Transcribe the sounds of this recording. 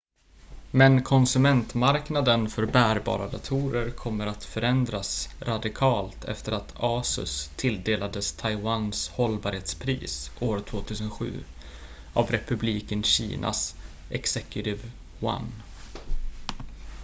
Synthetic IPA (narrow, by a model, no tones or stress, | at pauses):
mɛnkʰɔnsɵmɛnt̪maɾknad̪ənfœɾbæːɾbɑ̰ːɾad̪at̪ʰuːɾəɾkʰɔmːəɾat̪fœɾɛnd̪ɾasɾad̪ɪkʰɑːlt̪ʰɛ̰ft̪əɾat̪ʰɑːsɵ̰st̪ʰːɪld̪eːlad̪əst̪ʰajwanshɔlbɑːɾheːt̪spʰɾḭːsoːɾt̪ʰvoːt̪ʰʉːsənɧʉ̟̰ː | ʔavɾɛpɵbliːkənɕḭːnʔa̰s | ʔɛksɛkjʊt̪ɪv | wa̰n